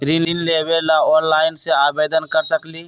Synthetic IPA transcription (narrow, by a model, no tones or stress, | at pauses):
ɾiːlĩnleːbelaɔːnlaːɪnseaːbeːd̪ənkəɾsəkliː